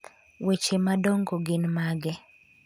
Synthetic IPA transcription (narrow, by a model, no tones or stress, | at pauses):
wet͡ʃemadɔŋɡoɡɪnmaɡɛ